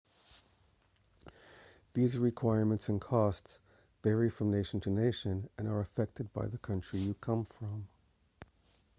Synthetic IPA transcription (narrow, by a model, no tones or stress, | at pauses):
b̥izɹɨkʰw̥aɪɹmɨ̃ntsɨ̃nkʰɔsts | b̥ɛɹifɹʌ̃mneɪʃn̩tʰɨneɪʃɨ̃nɨ̃nə˞ɨfɛk̚tɨd̚ba̰ɪðəkʰʌ̃nt͡ʃɹ̥ijɨkʰʌ̃ɱfɹʌ̃m